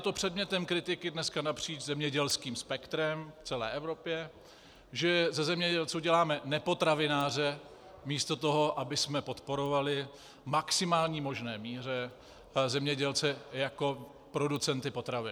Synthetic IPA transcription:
t̪o̞pr̝̥ɛdmɲɛt̪ɛmkɾɪt̪ɪkɪdnɛskanapr̝̥iːt͡ʃzɛmɲɛɟɛlskiːmspɛkt̪ɾɛmft͡sɛlɛ̰ːʔɛvɾo̞pjɛ | ʒɛzɛzɛmɲɛɟɛlt͡suːɟɛlaːmɛnɛpo̞t̪ɾavɪnaːr̝ɛ | miːst̪o̞t̪oɦo̞ʔabɪsmɛpo̞t̪po̞ɾovalɪ | maksɪmaːlɲiːmo̞ʒnɛːmiːr̝ɛ | zɛmɲɛɟɛlt͡sɛjako̞ | pɾodut͡sɛnt̪ɪpo̞t̪ɾavɪ

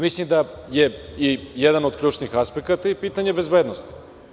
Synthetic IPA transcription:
mislimd̪ajeijeɛd̪anod̪kʎʲuːt͡ʃnixaspekat̪aipiːt̪aɲebe̞zbeːd̪nost̪i̥

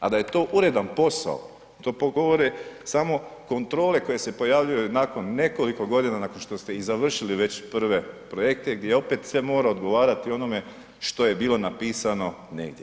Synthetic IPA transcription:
a̰d̪aje̞t̪o̞ʔuɾe̞d̪anpo̞sa̰o̰ | t̪o̞ːpoɡoʋoɾesamo̞ko̞nt̪ɾo̞ːle̞ko̞je̞se̞po̞jaʋʎujunako̞nːe̞ko̞liko̞ɡo̞d̪inanakonʃt̪o̞st̪e̞izaʋr̩ʃiliʋe̞t͡ɕpr̩ʋe̞pɾoje̞k̚t̪eɡd̪jeeo̞pe̞t̪sʋe̞mo̞ːɾao̞d̪ɡo̞ʋaːɾat̪io̞no̞me̞ | ʃt̪o̞je̞biːlˠo̞napiːsano̞ | ne̞̰ɡd̪je

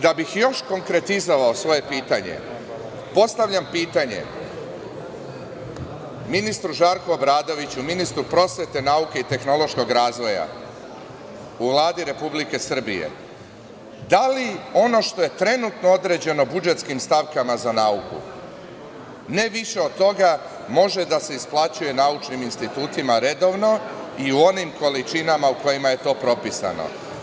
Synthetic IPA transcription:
d̪abixjo̞ʃko̞ŋkɾe̞t̪izo̞ʋaosʋo̞je̞piːt̪aɲḛ | po̞st̪aʋʎʲampiːt̪aɲḛ | minist̪ɾuʒaːɾkoobɾaːd̪oʋit͡ɕuminist̪ɾupɾo̞sʋʲet̪e̞nauke̞it̪e̞xno̞lo̞ʃko̞ɡɾaːzʋo̞ja̰ | uʋlˠaːd̪iɾe̞publike̞sr̩bḭjḛ | d̪alio̞no̞ʃt̪o̞je̞t̪ɾe̞nut̪no̞o̞d̪ɾe̞d͡ʑe̞no̞bud͡ʒet̪skimst̪aʋkamazanaukṵ | ne̞ʋiʃe̞o̞d̪̚t̪o̞ɡa | mo̞ʒe̞d̪ase̞isplˠat͡ɕuje̞naut͡ʃniminst̪it̪uːt̪imaɾe̞d̪o̞ʋno̞iuo̞nimko̞lit͡ʃinamauko̞jimaje̞t̪o̞ːpɾo̞pisa̰no̰

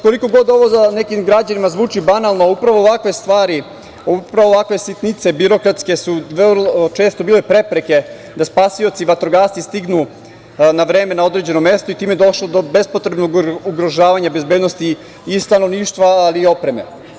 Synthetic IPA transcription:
ko̞liko̞ɡo̞d̪o̞ʋo̞zane̞kimɡɾad͡ʑanimazʋuːt͡ʃibanalˠnoaupɾaʋo̞ːʋakʋe̞st̪ʋaːɾi | oupɾaʋoːʋakʋe̞sit̪nit̪se̞biɾo̞kɾat̪ske̞suʋlot͡ʃe̞ːst̪o̞biːlepɾe̞pɾe̞ke̞ | d̪aspaːsio̞t̪siʋat̪ɾoɡaːst̪ist̪iɡnu | naʋɾe̞ːme̞nao̞d̪ɾe̞d͡ʑe̞nome̞st̪oit̪iːmeed̪o̞ʃlˠod̪obe̞spo̞t̪ɾebnoɡuɡɾo̞ʒaːʋaɲabe̞zbed̪nost̪iː | st̪ano̞ʋniːʃt̪ʋaaliːo̞pɾe̞me̞̰

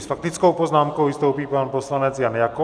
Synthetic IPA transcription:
sfak̚t̪ɪt͡skowpoznaːmkowvɪst̪owpiːpanposlanɛt͡sjanjako

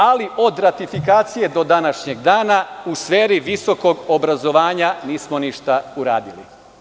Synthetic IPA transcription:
aliʔo̞d̪ɾat̪ifikaːt̪sije̞d̪o̞d̪anaʃɲeɡd̪aːnausʋeːɾiʋiso̞ko̞ɡobɾazo̞ʋaːɲaniːsmo̞niʃt̪auɾa̰ːd̪ilḭ

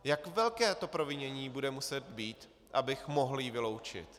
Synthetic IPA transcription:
jakvɛlkɛːt̪o̞pɾovɪɲɛɲiːbudɛmusɛt̪biːt̪ | ʔabɪxmo̞ɦljivɪlo̞wt͡ʃɪ̰t̪

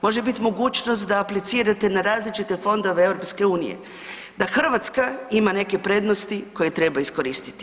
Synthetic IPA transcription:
mo̞ʒebit̪imo̞ɡuːt͡ʃnost̪d̪aːplit̪siːɾat̪e̞naɾaːzlit͡ʃit̪e̞fo̞nd̪o̞ʋe̞ewɾo̞pske̞uːnḭjḛ | d̪axr̩ʋat̪skaimane̞ke̞pɾe̞d̪nost̪iko̞je̞t̪ɾe̞baisko̞ɾiːst̪i̥t̪i̥

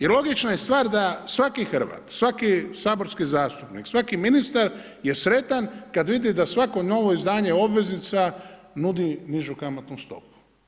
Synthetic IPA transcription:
jelo̞ɡit͡ʃnajest̪ʋaːɾd̪asʋakixr̩ʋa̰ːt̪sʋakisaːbo̞ɾskizaːst̪upniksʋakiminist̪aɾ | je̞sɾe̞t̪ankad̪ʋid̪id̪asʋako̞no̞ʋo̞izd̪aːɲeo̞bʋe̞znit̪sa | nud̪iniʒukamot̪nust̪o̞̰pu̥

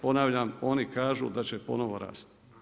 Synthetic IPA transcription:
po̞naːʋʎamo̞nikaːʒṵːd̪at͡ɕepo̞̰no̞ʋo̞ɾa̰ːst̪

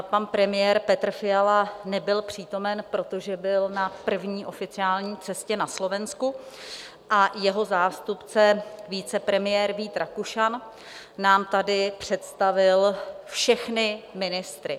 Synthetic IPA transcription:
panpɾɛmɪjɛːɾpɛt̪r̩fɪalanɛbɪlpr̝̥iːt̪o̞mɛnpɾo̞t̪o̞ʒɛbɪlnapr̩vɲiːʔo̞fɪt͡sɪaːlɲiːt͡sɛscɛnaslo̞vɛnsku | ʔajɛɦo̞zaːst̪upt͡sɛviːt͡sɛpɾɛmɪjɛːɾviːt̪ɾakuʃan | naːmt̪adɪpr̝̥ɛt̪st̪avɪlfʃɛxnɪmɪnɪst̪ɾɪ

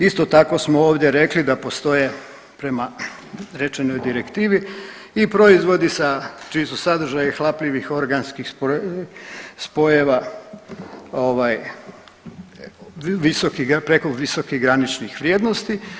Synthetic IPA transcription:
ist̪o̞t̪ako̞smooːʋd̪ʲje̞ɾe̞klid̪apo̞st̪o̞je | pɾe̞ma | ɾe̞t͡ʃeno̞jd̪iɾekt̪iːʋi | ipɾo̞izʋo̞d̪isat͡ʃijesusad̪r̩ʒajaxlˠaplʲiʋixo̞ɾɡanskixp | spo̞jeʋa | oʋaj | ʋisokipɾeko̞ʋiso̞kiɦɡɾanit͡ʃnixʋɾʲjed̪no̞st̪i

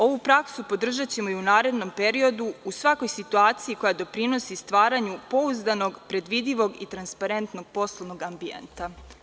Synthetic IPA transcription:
o̞ʋupɾaksupo̞d̪r̩ʒat͡ɕe̞mo̞junaːɾe̞d̪no̞mpe̞ɾio̞d̪uusʋako̞jsit̪uaːt̪sijiko̞jad̪o̞pɾino̞sist̪ʋaːɾaɲupo̞uzd̪ano̞ɡpɾe̞d̪ʋid̪ʎiʋo̞ɡit̪ɾanspaɾe̞nt̪no̞ɡ̥̚po̞slˠoʋno̞ɡambiḛnt̪a

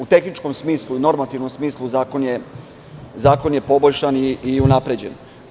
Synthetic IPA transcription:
ut̪e̞xnit͡ʃko̞msmiːslˠuino̞ɾmat̪iʋno̞msmiːslˠuzaːkonje | zaːko̞nje̞po̞bolʲʃaniiunapɾe̞d͡ʑe̞̰n

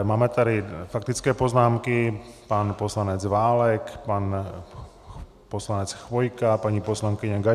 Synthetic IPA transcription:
maːmɛt̪aɾifak̚t̪it͡skɛːpoznaːmkipanpɔslaɲɛd͡zʋaːlɛkpan | pɔslaɲɛt͡sxʋɔjkapaɲipɔslaŋkiɲaɡa

